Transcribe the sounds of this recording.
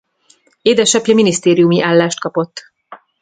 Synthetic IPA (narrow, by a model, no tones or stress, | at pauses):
eːd̪ɛʃɒpjɒminist̪eːɾijumiʔaːlːaːʃt̪̚kɒpo̞t̪ː